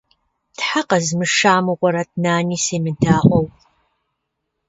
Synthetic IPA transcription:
tħaqɐzmɨʂaːmɨʁʷɔɾɐt̚ʰnaːniːseːmɨdʰaːʁʷɔw

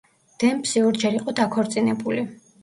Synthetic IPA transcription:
d̪̥ɛmpsiɔɾd͡ʒɛɾiqʼɔd̪akʰɔɾt̪sʼinɛbuli

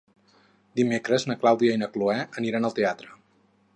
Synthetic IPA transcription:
d̪imekɾəznəklawðiəinəkluɛəniɾanəlˠt̪eat̪ɾə

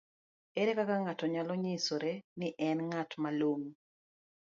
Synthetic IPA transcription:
eɾekakaŋatɔɲalɔɲɪsoɾenɪʔɛnŋatmaloŋ

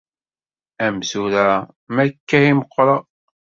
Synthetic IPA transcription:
æmsuɾæ | mækːæhiməqːɾˤɑ

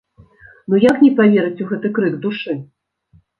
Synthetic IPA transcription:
nujaknʲɛpavʲeɾɨt͡sʲuɣɛt̪ɨkɾɨɡd̪uʂɨ

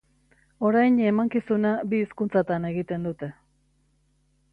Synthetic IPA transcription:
o̞ɾajɲe̞maŋkisunabiːskunt͡sat̪ane̞ɣit̪e̞nd̪ut̪e̞

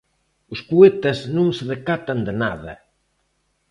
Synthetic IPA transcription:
ʊspuet̪ɐznũŋsɪðekat̪ɐnd̪ɪnaðɐ̰

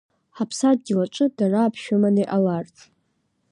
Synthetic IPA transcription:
ħapʰsad̚ɡʲilaʈ͡ʂʷʼɨdaraːpʰʃʊmaneʔalart͡sʰʼ

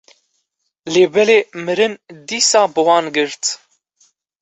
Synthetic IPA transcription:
leːbɛleːmɨɾɨnd̪iːsɑːbɨwɑːnɡɨɾt̪

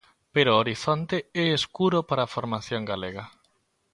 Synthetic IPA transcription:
peɾooɾiθont̪eɛːskuɾopaɾafoɾmaθjoŋɡaleɣɐ

